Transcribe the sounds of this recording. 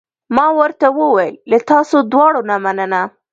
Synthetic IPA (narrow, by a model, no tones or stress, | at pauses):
mɑwəɾt̪awəwajəlːat̪ɑsod̪wɑɽonamanəna